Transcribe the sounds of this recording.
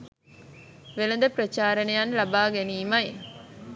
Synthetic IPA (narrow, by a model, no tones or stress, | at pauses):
ʋelɐnd̪ɐpɾɐt͡ʃaːɾɐnejanlɐbaːɡeniːmɐj